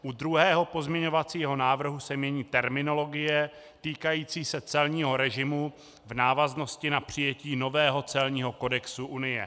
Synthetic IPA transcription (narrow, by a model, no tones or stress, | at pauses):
ʔud̪ɾuɦɛːɦo̞po̞zmɲɛɲo̞vat͡siːɦo̞naːvr̩ɦusɛmɲɛɲiːt̪ɛɾmɪno̞lo̞ɡɪjɛ | t̪iːkajiːt͡siːsɛt͡sɛlɲiːɦo̞ɾɛʒɪmu | vnaːvazno̞scɪnapr̝̥ɪjɛciːno̞vɛːɦo̞t͡sɛlɲiːɦo̞ko̞dɛksuʔunɪjɛ̰